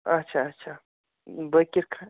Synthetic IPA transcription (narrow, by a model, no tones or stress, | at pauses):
ɐtːʃʰaɐtːʃʰa | bəkiɾkʰã